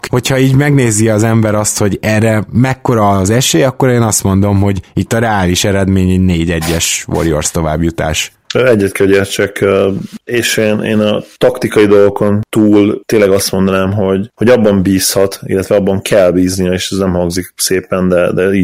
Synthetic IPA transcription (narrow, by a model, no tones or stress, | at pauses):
ho̞cʰhɒiːɟmɛɡneːziɒzɛmbɛɾɒst̪ho̞ɟɛrːɛmɛkːo̞ɾɒːzɛʃeːjɒkːo̞ɾeːnɒst̪mo̞nd̪o̞mɦo̞ɟit̪ːɒɾɛaːliʃɛɾɛd̪meːɲɛneːɟɛɟːɛʃʋo̰ɾijo̰rst̪o̞va̰ːbjut̪a̰ːʃ | øɛɟːɛt̪kɛɟɛːrt͡ʃɛkøeːʃeːneːnɒt̪ɒkt̪ikɒjid̪o̞lɡoko̞nt̪uːlt̪eːnlɛɡɒst̪mond̪ɒnaːmɦo̞ɟho̞ɟɒbːɒmbiːshɒt̪ḭlːɛt̪ʋɛɒbːɒŋkʰɛlbiːznijɛeːʃɛznɛmhɒŋɡzikseːpɛnd̪ɛd̪ɛiː